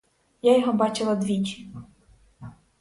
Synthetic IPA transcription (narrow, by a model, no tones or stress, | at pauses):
jajɔɦɔbɑt͡ʃɪlˠɐd̪ʋʲit͡ʃʲi̥